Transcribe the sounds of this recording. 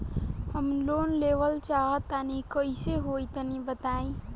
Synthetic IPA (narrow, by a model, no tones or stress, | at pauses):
həmloːnleʋəlt͡ʃaːɦət̪anikoiseɦoːit̪ənibət̪aːĩː